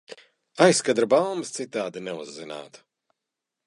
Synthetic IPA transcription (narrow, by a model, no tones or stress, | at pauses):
ajskad̪ɾabalˠmɨst̪sit̪aːd̪inɛuzːina̰ːt̪